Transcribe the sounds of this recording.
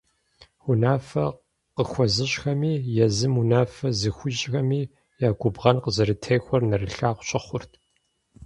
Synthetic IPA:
unaːfɐ | qəxʷɔzɨɕxɐmiːjɛzɨmunaːfɐzɨxʷʊʒʼxɐmiː | jaːɡʷʊbʁɐnqəzɨɾɨtʰejxʷɔrnɐrɨɬaːqʷʊɕʼɐχʷʊrtʰ

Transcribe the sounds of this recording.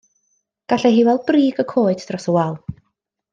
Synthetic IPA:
ɡ̥aɬɛɦiːwɛlˠbriːɡəkʰoːɨdd̥rɔsəwalˠ

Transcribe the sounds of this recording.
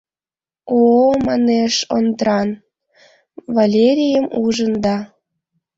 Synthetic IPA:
omɑneʃond̪əɾɑn | valʲeɾʲijəmuʒənd̪ɑ

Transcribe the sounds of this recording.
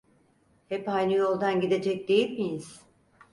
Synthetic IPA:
hɛpajnɯjo̞lˠd̪anɟid̪e̞d͡ʒɛc̚d̪e̞jilʲmijiz̥

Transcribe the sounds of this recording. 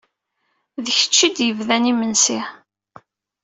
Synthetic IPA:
ðəçə̥t͡ʃːid̪jəvðænimənsi

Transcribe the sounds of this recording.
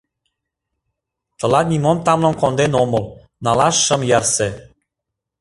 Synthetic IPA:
t̪ɤ̆lɑt̪̚nʲimomt̪ɑmlŏnkond̪enomɤl | nɑlɑʃːə̆mjɑrse

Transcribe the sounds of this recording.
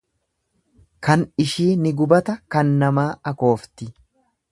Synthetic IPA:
kɐnɪʃiːnɪɡʊbɐt̪ɐkɐnːɐmaːɐko̞ːft̪ɪ

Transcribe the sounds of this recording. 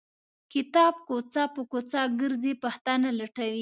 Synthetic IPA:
kɪt̪ɑb̚kot͡sɑpəkot͡sɑɡəɾzepaht̪analaʈawi

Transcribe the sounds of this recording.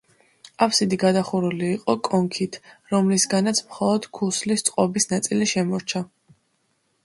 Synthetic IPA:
apsid̪iɡad̪aχuɾuliːqʼɔkʼɔŋkʰit̪ʰɾɔmlisɡanat̪sʰmχɔlˠɔd̪̥kʰuslist̪sʼqʼɔbisnat̪sʼiliʃɛmɔɾt͡ʃʰa

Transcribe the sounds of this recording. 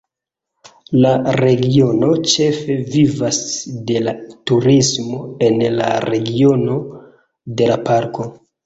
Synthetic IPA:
laɾe̞ɡio̞no̞t͡ʃe̞fe̞vivasde̞latuɾismo̞e̞nla̰ɾe̞ɡio̞no̞ | de̞lapaɾko̞

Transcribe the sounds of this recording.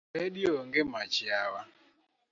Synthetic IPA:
eɗioŋɡemat͡ʃɪawa

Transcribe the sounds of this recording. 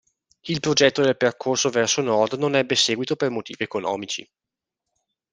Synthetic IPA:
ilpɾod͡ʒɛt̪ːod̪elperkʰorsovɛrsonɔrd̪nonɛbːesɛːɡwit̪opermot̪ḭːviekonɔ̰ːmit͡ʃḭ

